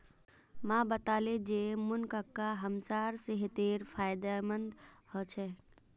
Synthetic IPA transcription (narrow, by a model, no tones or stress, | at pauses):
mãbət̪aled͡ʒemunkəkːaɦəmsaːɾseɦet̪eɾpʰaːjd̪amənd̪hɔt͡ʃʰɛ